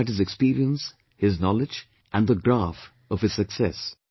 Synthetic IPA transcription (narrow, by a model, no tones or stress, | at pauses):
ɨt̚hɨzɨkspiːɾiə̃ns | hɪznɔlɪd͡ʒ | ʔæ̃nðəɡɾæf | ʌv̥ɨz̥sɨksɛs